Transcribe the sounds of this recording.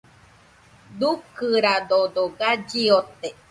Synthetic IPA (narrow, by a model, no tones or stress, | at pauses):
d̪ukɨɾad̪od̪oɡad͡ʒiot̪e